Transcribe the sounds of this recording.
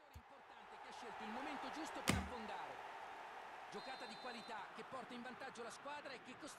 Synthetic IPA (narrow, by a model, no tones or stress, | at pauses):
oːɾemport̪ant̪ek̟eaʃːelt̪oilmoment̪od͡ʒust̪opeɾabːond̪aːɾḛ | d͡ʒokaːt̪ad̪ikwalit̪ak̟ːepːɔrt̪aĩɱvant̪ad͡ʒːolaskwaːd̪ɾaekːekːos